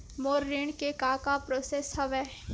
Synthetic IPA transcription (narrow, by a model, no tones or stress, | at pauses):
moːɾːeːɳkekaːkapɾoːseːshɐʋɛː